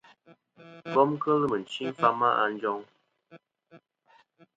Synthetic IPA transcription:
bɔ˦mkə˦lə˦mə˨n̩˨t͡ʃi˦n˦fa˦ma˦ʔa̰˨n˦d͡ʒɔ˦ŋ

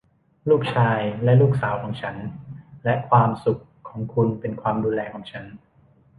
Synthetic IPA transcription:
luː˥˩k̚t͡ɕʰaː˧jlɛ˦˥ʔluː˥˩k̚saː˩˦wkʰɔː˩˦ŋt͡ɕʰa˦˥nlɛ˦˥kʰwaː˧msu˨˩kʰːɔː˩˦ŋkʰu˧npe˧nkʰwaː˧mduː˧lɛː˧kʰɔː˩˦ŋt͡ɕʰa˦˥n

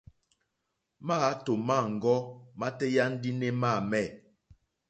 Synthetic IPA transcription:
ma˦˨˦to˨ma˦˨ŋ̩˨ɡɔ˦ma˦tɛ˦ja˦n̩˦di˦ne˦ma˦˨mɛ˦˨

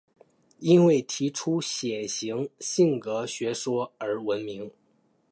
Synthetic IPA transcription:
i˥nwe˥˩ɪt̪ʰi˧˥ʈ͡ʂʰu˥ɕjɛ˨˩ɕi˧˥ŋɕi˥˩ŋkɤ˧˥ɕɥɛ˧˥ʂwɔ˥ə˞˧˥wə˧˥nmi˧˥ŋ

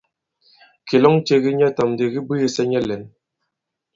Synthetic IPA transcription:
ki˨lɔ˦ŋte˨ɣi˦ɲa˦ta˨mde˨ɣi˦bɨ˦e˨sɛ˦ɲɛ˦lɛ˨n

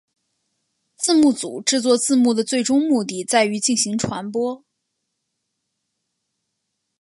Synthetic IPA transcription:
t͡sɹ̩˥˧mu˥˩t͡sṵ˨˩˦ʈ͡ʂɻ̩˥˧t͡swɔ˥˧t͡sɹ̩˥˧mu˥˩d̪ə˩t͡swe˥˩ɪʈ͡ʂʊ˥ŋmu˥˧t̪i˥˩t͡sa˥˩ɪy˧˥t͡ɕi˥˩nɕi˧˥ŋʈ͡ʂʰwa˧˥npwɔ˥

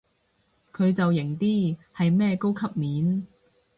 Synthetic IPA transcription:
kʰɵ˨˧ɥt͡sɐ˨wjɪ˨˩ŋt̪iː˥hɐ˨jmɛː˥ko˥wkʰɐ˥p̚miː˨˥n

